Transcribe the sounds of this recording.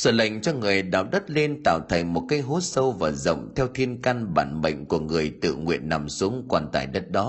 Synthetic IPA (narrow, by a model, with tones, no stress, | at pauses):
səː˧˩la̰˧˨jŋ̟t͡ɕɔ˧ŋɨ˨˩əjɗa̰ː˨˩w̚ɗə˦˥t̚le˧nt̪a̰ː˧˨wt̪ʰə˨˩ŋmo˨˩t̚kaː˨˦jɦo˨˦sə˧wvaː˨˩zə̰˧˨wŋ͡mt̪ʰɛ˧wt̪ʰi˧ənka˧nɓa̰ː˧˩nɓə̰˧˨jŋ̟ku˧˩əŋɨ˨˩əjt̪ɨ̰˧˨ŋwḭ˧˨ənːa˨˩msu˨˦əŋkwaː˧˩nt̪a̰ː˧˩jɗə˦˥t̚ɗɔ˨˦